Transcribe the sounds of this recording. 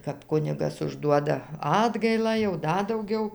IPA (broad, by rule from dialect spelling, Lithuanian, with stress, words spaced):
kɐp ˈkʊnʲɪɡɐs ʊʒˈduɔdɐ ˈɑːdɡɐɪlˠɑː jɛʊ ˈdɐ dɐʊˈɡʲɛʊ